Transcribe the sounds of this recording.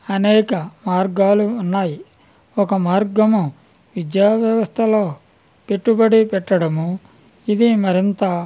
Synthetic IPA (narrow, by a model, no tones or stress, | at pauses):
ɐnɛːkɐmaːɾɡaːluːnːaːji | ɔkɐmaːɾɡɐmu | ʋid͡ʒ̪jaːʋjɐʋɐst̪ʰɐloː | pe̞ʈːubɐɽipɛʈːɐɽɐmu | id̪imɐɾint̪ɐ